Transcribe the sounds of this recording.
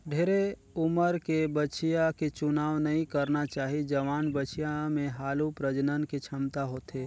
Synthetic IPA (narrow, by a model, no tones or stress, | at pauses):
ɖʱeːɾe | ʊməɾkebət͡ʃijaket͡ʃʊnaːʋnɐɦĩkəɾnat͡ʃaːɦid͡ʒɐʋaːnbət͡ʃijãmẽɦaːlupɾəd͡ʒnənket͡ʃʰɐmt̪aɦoːt̪eː